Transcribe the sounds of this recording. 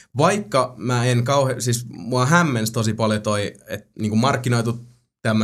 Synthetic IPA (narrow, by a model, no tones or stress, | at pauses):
ʋɑikːɑmæːenkɑuhesiːsmuɑɦæmːenst̪osipɑljot̪oiet̪niːŋkumɑrkːinoit̪ut̪ | t̪ːæmː